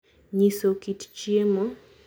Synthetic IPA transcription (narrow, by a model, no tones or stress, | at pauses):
ɲisokitt͡ʃiɛma